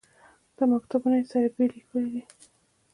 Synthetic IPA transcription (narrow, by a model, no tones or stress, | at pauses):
d̪̥əmakt̪abunaesaɾbelikʰəlid̪i